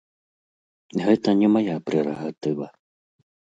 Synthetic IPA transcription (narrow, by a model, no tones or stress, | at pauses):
ɣɛt̪ɐnʲɛmajapɾʲɛɾɐɣat̪ɨva